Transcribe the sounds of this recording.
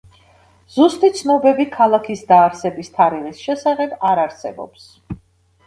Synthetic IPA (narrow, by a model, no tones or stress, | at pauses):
z̥ust̪ʼit̪sʰnɔbɛbikʰalˠakʰisd̪aːɾsɛbist̪ʰaɾiʁisʃɛsaχɛbaɾaɾsɛ̰bɔ̰ps